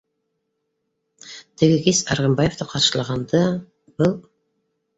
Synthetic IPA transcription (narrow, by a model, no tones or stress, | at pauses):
t̪ʰɘ̆ɡɘkisɑɾʁɑmbɑjevt̪ɑqʰɑɾʃɤ̆lˠɑʁɑnd̪ɤ | b̥ɤlˠ